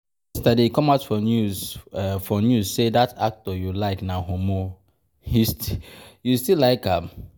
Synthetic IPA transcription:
stadekɔ̃maʊtfɔnuzfɔnjuzsedatak̚tɔjulaɪknahomo | histijustilaɪkam

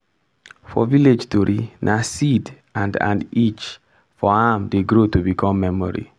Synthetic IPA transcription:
fɔ̰viled͡ʒtuɾʔinʔasid | ãndã̰ndit͡ʃ | fɔãmdeɡɾotubikʰɔ̃mːɛmɔɾḭ

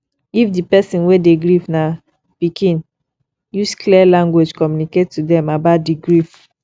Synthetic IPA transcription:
ifdipɛsĩnwedeɡɹifna | pikʰĩn | juskʰliɛlãŋɡwed͡ʒkɔmjuniketːudɛ̃mabaʊt̚diɡɹif

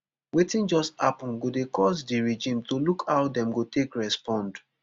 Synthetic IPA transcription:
wetĩnd͡ʒɔstapɔ̃nɡodekɔsdiɹed͡ʒĩmtolukʰaʊdɛ̃mɡotekɹɛspɔ̃nd

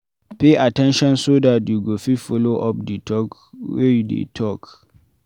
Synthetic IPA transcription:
peʔatɛ̃nʃɔ̃nsodat̚duɡofifoloʔɔp̚ditʰɔkwedḛtʰɔk

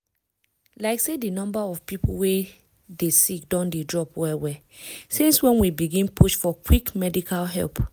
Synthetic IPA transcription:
laɪksedinɔ̃mbaɔv̥pipṵwe | desikdɔ̃ndedɹɔpwɛwɛ | sĩnswɛ̃nwibiɡĩnpʰuʃfɔkwikmɛdikʰalɦɛ̰lp

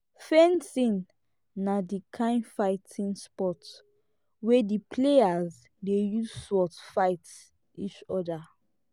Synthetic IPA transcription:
fẽnsĩnː | adikʰãɪ̃nfaɪtʰĩnspɔt | wedipʰleaz | dejuzswɔtfaɪt | it͡ʃɔda

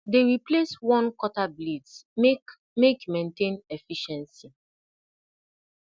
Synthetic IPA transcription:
deɹipleswɔ̃nkɔtablidsme | mekmẽntẽnefiʃɛ̃nsi

